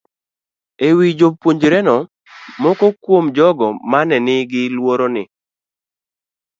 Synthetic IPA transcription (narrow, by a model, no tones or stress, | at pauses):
ewid͡ʒopːwoɲd͡ʒɾɛnɔ | mɔkɔkwomd͡ʒɔɡɔmanɛnɪɡɪlwoɾonɪ